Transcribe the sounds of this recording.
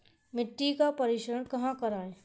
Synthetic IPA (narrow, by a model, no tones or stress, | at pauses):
mɪʈːikapɐɾɪʃəɾəɳkɐɦãkɐɾaːẽː